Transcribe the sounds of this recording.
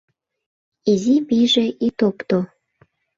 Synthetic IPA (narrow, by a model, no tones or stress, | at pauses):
iziβiʒeʔit̪opt̪o